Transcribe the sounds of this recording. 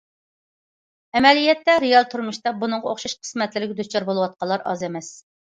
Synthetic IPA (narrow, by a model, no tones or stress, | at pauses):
ɛmɛlijɛt̪ːɛɾejɑlˠt̪ʰuɾmuʃt̪ɑbunɨŋʁɑoχʃɑʃqʰə̥smɛt̪lɪɾɪɡʲɛd̪ut͡ʃɑɾbolˠuwɑt̪̚qɑlˠːɑɾɑ̰zemɛs